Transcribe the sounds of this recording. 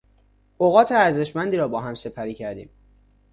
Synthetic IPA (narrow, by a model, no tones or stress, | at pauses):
oɣɒːt̪ʰeæɾze̞ʃmænd̪iːɾɒːbɒːɦæmse̞pʰæɾiːcʰæɾd̪ḭːm